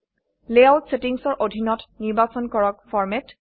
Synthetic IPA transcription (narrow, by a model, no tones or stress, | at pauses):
lealtsetiŋsɔɹʔodʱinɔtniɹbasɔnkɔɹɔk̚fʰɔɹmet